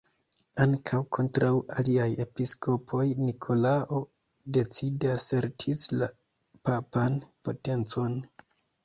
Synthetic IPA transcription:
aŋkʰawkʰo̞ntɾawaliaje̞pisko̞pʰo̞jnikʰo̞laʔo̞ | de̞t͡sidase̞ɾtʰisla | papanpo̞te̞nt͡so̞n

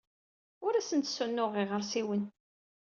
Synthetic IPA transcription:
ʊɾæsənt̪sunːʊʁiʁəɾsiwən

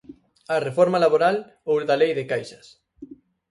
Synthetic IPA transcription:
ɐrefɔɾmalaβoɾal | owðalejðekajʃɐs

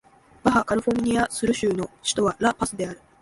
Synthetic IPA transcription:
b̥aɦakaɾɯ̟ɸo̞mʲɯɲ̟iasɨɾɯ̟ɕɨːno̞ɕi̥t̪o̞βaɾapasɨd̪e̞aɾɯ̟

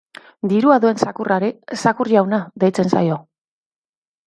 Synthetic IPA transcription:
d̪iɾuaðue̞nsakurʔaɾesakurʎawnaðejt͡se̞nsa̰jo̞

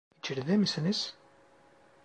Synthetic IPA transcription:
ət͡ʃːəɾðæməsnəs

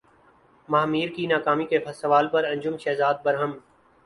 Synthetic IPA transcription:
maːmiːɾkiːnaːkaːmiːkeːfʰəsəʋaːlpəɾə̃ɲd͡ʒʊmʃɛːzaːd̪̚bəɾɦəm

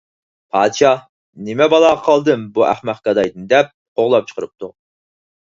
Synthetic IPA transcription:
pʰɑːd̪ʃɑ | nɪmɛbɑlˠɑːʁɑqʰɑlˠd̪ɨmbuʔæ̰χmæχ̚kʲɑd̪ɑjd̪ɨnd̪ɛp̚qoʁlˠɑp̚t͡ʃʰə̥qʰəɾɨp̚t̪u

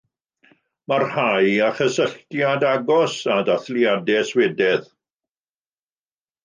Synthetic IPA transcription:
marhajaχəsəɬtjadaɡɔsadaθliadɛswɛdɛð

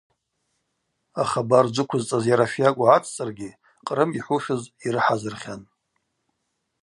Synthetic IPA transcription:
aχabard͡ʒʷɨkʷʰʊzt͡sʼazjaɾafjakʷʼaʕat͡sʰt͡sʼɨrɡʲi | qʼrɨmiħʷuʃʊziɾɨħazɨrχʲan

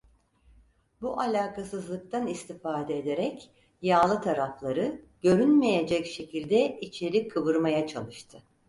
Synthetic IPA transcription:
buʔalʲaːkʰasɯzlˠɯk̚t̪ʰanist̪ʰifaːd̪ɛed̪eɾɛc | jaːlˠɯt̪ʰaɾaflˠaɾɯ | ɟ̥ø̞ɾynme̞je̞d͡ʒɛcʃe̞cʰilʲd̪ɛit͡ʃʰe̞ɾikʰːɯβɯɾmajat͡ʃʰa̰lˠɯʃt̪ʰɯ

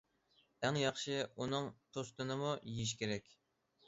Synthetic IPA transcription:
æŋjɑχʃɪunɨŋt̪ʰost̪ɨnɨmujeiʃ̬kʲʰeɾɛkʲ

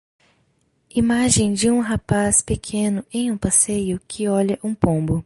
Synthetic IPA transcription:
imaʒẽj̃d͡ʒɪũɦapaspekʰẽnʊẽj̃ũpasejʊkʰɪɔʎɐʔũpõbʊ

